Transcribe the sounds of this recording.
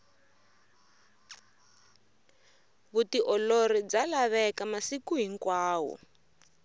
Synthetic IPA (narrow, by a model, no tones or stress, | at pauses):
βutiʔɔloɾid͡zalaβɛkamasikuɦiŋkwaːwɔ̰